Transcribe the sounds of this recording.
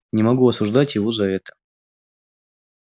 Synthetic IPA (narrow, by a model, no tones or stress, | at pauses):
nʲɪmɐɡuɐsʊʐd̪atʲjɪvo̞zɐɛt̪ə̥